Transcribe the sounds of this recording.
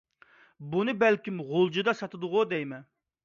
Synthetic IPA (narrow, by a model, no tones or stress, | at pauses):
bunɨbælkʲimʁolˠd͡ʒɨd̪ɑsɑt̪ʰɨd̪ʊʁʊd̪ɛjmɛ